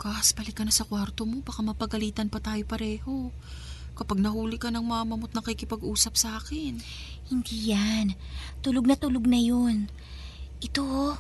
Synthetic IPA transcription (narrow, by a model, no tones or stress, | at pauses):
kaʔɐsbɐlɪkːɐnɐsɐkwaɾt̪o̞mo̞baːkamɐpɐɡɐliːt̪ɐnpɐt̪aːjo̞pɐɾɛːho̞ | kɐpaɡ̚nɐhuːlɪkɐnɐŋmɐɐmɐmot̪̚nɐkikɪpɐɡʔuːsɐp̚sɐaːkɪn | hɪnd̪iːjant̪ʊloɡ̚nɐt̪ʊloɡ̚nɐjon | ʔɪt̪o